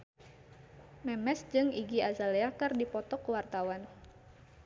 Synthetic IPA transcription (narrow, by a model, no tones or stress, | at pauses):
mɛmɛsd͡ʒɨŋiɡiazaleakɨrdipɔt̪ɔkəwart̪awan